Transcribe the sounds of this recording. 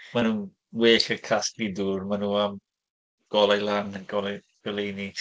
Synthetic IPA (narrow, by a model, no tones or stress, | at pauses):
manuː | weːɬərkʰastlidurmanuːam | ɡ̥ɔlˠajlanəɡɔlaj | ɡ̥ɔlejni